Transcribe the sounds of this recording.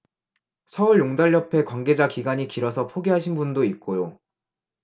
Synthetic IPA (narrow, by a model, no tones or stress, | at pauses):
sʰʌuɭjoŋdaʎːʌpʰe̞kwaŋɡe̞d͡ʑakiɡaɲikiɾʌsʰʌpʰoɡeɦaɕ̬ʰinbundoit̚k͈ojo